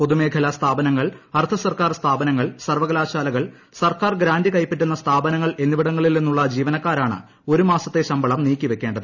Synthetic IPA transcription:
po̞ðume̞ːkʰɐlɐst̪ʰaːbɐnɐŋːɐɭɐrt̪ʰɐsɐrkaːrst̪ʰaːbɐnɐŋːɐɭsɐrʋɐɣɐlaːɕaːlɐɣɐɭ | sɐrkaːrɡɾaːnd̪ikɐjpːeʈːun̪ːɐst̪ʰaːbɐnɐŋːɐɭe̞nːiʋiɽɐŋːɐɭilninːuɭːɐd͡ʑiːʋɐnɐkːaːɾaːɳɨ̰ | o̞ɾumaːsɐt̪ːe̞ɕɐmbɐɭɐmniːkʲːiʋe̞kʲːe̞ːɳɖɐðɨ

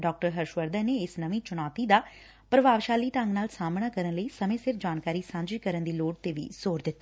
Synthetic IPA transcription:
ɖɔːk̚ʈəɾɦəɾʃʋəɾd̪ə̃ːneːɪsnəʋĩːt͡ʃʊñaːt̪iːd̪aː | pɾəʋaːʋʃaːliːʈə̃ŋɡnaːlsaːmɳaːkəɾənləiːsəmẽːsɪɾfd͡ʒaːnkaːɾiːsãːɲd͡ʒikəɾənd̪iːloːʈ̚t̪eːʋḭːzoːɾd̪ɪt̪ːa

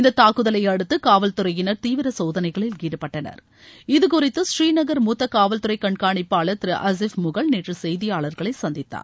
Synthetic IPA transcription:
ɪnd̪ɐt̪ːaːkɯðɐlɐjɐɽɯt̪ːɯkaːʋɐlt̪ɯɾɐjɪnɐɾt̪iːʋɪɾɐsoːðɐnɐɪɣɐɭɪlɡiːɽɯpːɐʈːɐnɐ̰ɾ | ɪðɯkʊrɪt̪ːɯsriːnɐɣɐɾmuːt̪ːɐkaːʋɐlt̪ɯɾɐɪkɐɳkaːɳɪpːaːɭɐt̪ɪɾɯʔɐs̬ɪfmʊɣɐɭneːʈrɯsɛjðɪjaːɭɐɾɣɐɭɐɪsɐnd̪ɪt̪ːa̰ːɾ

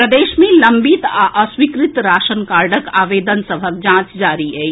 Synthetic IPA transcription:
pɾəd̪eːʃmẽlɐmbit̪aʔəswikɾit̪ɾaːʃənkaːɾɖəkaːʋeːd̪ənsəbʱək̚d͡ʒãːt͡ʃd͡ʒaːɾiɦɛ

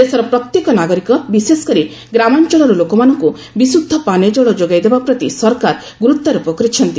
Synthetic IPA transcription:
esɔɾɔpɾɔkt̪jekɔnaɡɔɾikɔbisesɔ̥kɔɾi | ɡɾamant͡ʃɔɭɔɾɔlokɔmanɔŋku | bisud̪ʱːɔpaned͡ʒɔɭɔd͡ʒoɡajd̪ebapɾɔt̪isɔɾkaɾ | ɡuɾut̪ːɔɾupɔkɔɾit͡ʃʰɔnt̪i

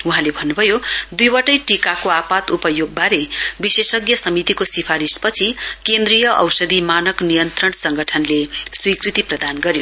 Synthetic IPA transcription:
uɦãlebʱʌnːubʱʌjod̪ujwʌʈʌjʈikakoapat̪upʌjoɡ̚baɾebisesʌɡjʌsʌmit̪ikosipʰaɾispʌt͡sʰikend̪rijʌʔʌ̰wsʌd̪imanʌknijʌnt̪rʌɳsʌŋɡʌʈʰʌnleswikrit̪iprʌd̪anɡʌɾjo

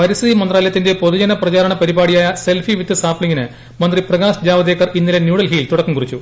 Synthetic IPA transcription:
pɐɾisiðimɐnd̪raːljɐt̪ːinde̞poðud͡ʑɐnɐprɐt͡ɕaːɾɐɳɐpɐɾibaːɽijaːjɐse̞lfiʋit̪ːɨsaːpɭiŋːinɨ | mɐnd̪riprɐɣaːsd͡ʑaːʋɐd̪eːkːɐrinːilenjuːɽɐlɦiːlt̪uɽɐkːɐmkurit͡ɕːu

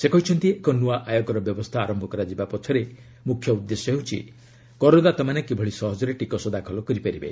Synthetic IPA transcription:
sekɔɦit͡ʃʰɔnt̪iekɔnuaʔajɔɡɔɾɔbjɔbɔst̪ʰaːɾɔmbʱɔkɔɾad͡ʒibapɔt͡ʃʰɔɾe | mukʰjɔud̪ːesjɔɦeɦut͡ʃʰḭ | kɔɾod̪at̪ɔmanekebʱɔɭisɔɦɔd͡ʒɔɾeʈikɔsɔd̪akʰɔlɔkɔɾipaɾibḛ

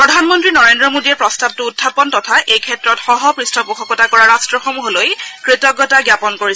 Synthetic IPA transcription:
pɹɔdʱanmɔntɹinɔɹendɹɔmodiɛpɹɔstab̚tʊudʱapɔntɔtʰaʔejkʰɛtɹɔtxɔɦɔpɹistɔbuxʰɔkɔtakɔɹaɹastɹɔxomuɦolojkɹitɔɡɔtaɡjapɔnkoɹisɛ

